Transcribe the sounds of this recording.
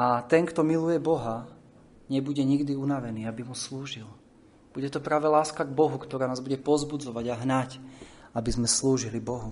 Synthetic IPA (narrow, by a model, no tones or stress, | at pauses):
at̪ɛŋkt̪ɔmilujɛbɔɦa | ɲɛbuɟɛɲiɡd̪iunaʋɛniːabimusluːʒil | b̥uɟɛt̪ɔpɾaːʋɛlaːskaɡbɔɦukt̪ɔɾaːnaːzbuɟɛpɔzbud͡zɔʋaɟaɦnacabizmɛsluːʒilibɔɦu